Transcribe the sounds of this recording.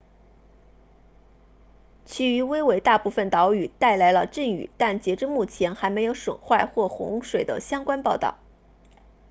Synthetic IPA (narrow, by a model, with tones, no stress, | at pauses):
t͡ɕʰy˧˥y˧˥we˥ɪwe˧˥ɪt̪a˥˧pu˥˩fə˨˩nt̪ɑ˧˥ʊy˨˩t̪a˥˩ɪla˧˥ɪlə˧ʈ͡ʂə˥˩ŋy̰˨˩t̪a˥˩nt͡ɕjɛ˧˥ʈ͡ʂɻ̩˥˧mu˥˩t͡ɕʰjɛ˧˥nxa˧˥ɪme˧˥jo˧˥ʊʂwə̰˨˩nxwa˥˧ɪxwɔ˥˩xʊ̰˧˥ŋʂwe˨˩ɪd̪ə̰˦ɕjɑ˥ŋkwa˥npɑ˥˧ʊt̪ɑ̰˥˩ʊ